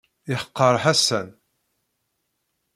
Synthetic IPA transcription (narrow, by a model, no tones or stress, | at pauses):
iħə̥qːəɾˤħasæn